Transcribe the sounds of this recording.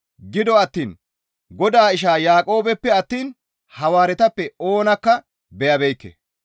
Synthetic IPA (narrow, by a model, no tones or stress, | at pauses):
ɡɪd̪ɔɐt̪ːiːn | ɡɔd̪aːɪʃ̬aːjaːkʼo̞ːbɛpːɛɐt̪ːiːn | hɐwaːɾɛt̪ɐpːɛo̞ːnɐkːɐ | bɛjɐbɛjkːɛ̰